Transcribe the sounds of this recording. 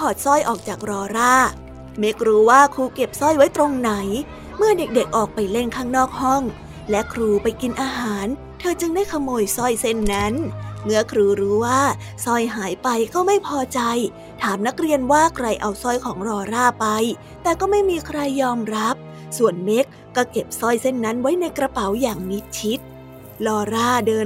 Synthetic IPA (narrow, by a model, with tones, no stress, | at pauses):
pʰɔː˨˩t̪̚sɔ˥˩jʔɔː˨˩k̚t͡ɕaː˨˩k̚ɾɔː˧ɾaː˥˩ | me˦˥k̚ɾuː˦˥waː˥˩kʰuː˧ke˨˩p̚sɔ˥˩jwa˦˥jt̪ɾo˧ŋna˩˦j | mɯ˥˩ɐde˨˩k̚de˨˩k̚ʔɔː˨˩k̚pa˧jle˥˩nkʰaː˥˩ŋnɔː˥˩k̚hɔ˥˩ŋ | lɛ˦˥kʰɾuː˧pa˧jki˧nʔaː˧ɦaː˩˦n | t̪ʰɤː˧t͡ɕɯ˧ŋdaː˥˩jkʰa˧mːoː˧jsɔ˥˩jse˥˩nːa˦˥nmɯ˦˥ɐkʰɾuː˧ɾuː˦˥waː˥˩sɔ˥˩jɦaː˩˦jpa˧jkɔː˥˩ma˥˩jpʰɔː˧t͡ɕa˧j | t̪ʰaː˩˦mna˦˥k̚ɾi˧ənwaː˥˩kʰɾa˧jʔa˧wsɔ˥˩jkʰɔː˩˦ŋɾɔː˧ɾaː˥˩pa˧j | t̪ɛː˨˩kɔː˥˩ma˥˩jmiː˧kʰɾa˧jːɔː˧mɾa˦˥p̚ | su˨˩ənme˦˥k̚ːɔː˥˩ke˨˩p̚sɔ˥˩jse˥˩nːa˦˥nwa˦˥jna˧jkɾa˧pa˨˩˦wjaː˨˩ŋni˦˥t̪̚t͡ɕʰi˦˥t̪̚ | lɔː˧ɾaː˥˩dɤː˧